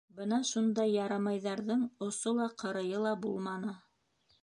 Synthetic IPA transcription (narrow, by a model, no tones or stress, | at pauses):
bɤnɑʃund̪ɑjːɑɾɑmɑjðɑɾðɤɴŏsolˠɑqʰɤ̆ɾɤ̆jɤlˠɑbulˠmɑnɤ